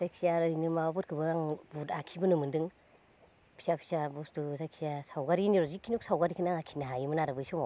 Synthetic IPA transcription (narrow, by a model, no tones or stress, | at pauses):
sajksijaɾɯjnɯmabɯt̚kʰɯbɯaŋbutakʰibɯnɯmɯndɯŋ | pʰi̥sapʰi̥sabustuzajk̚sijasawɡaɾiniɾɔzikʰːinɔk̚sawɡaɾikʰɯnaŋakʰi̥naɦajimɯnaɾɯbɯjsɔma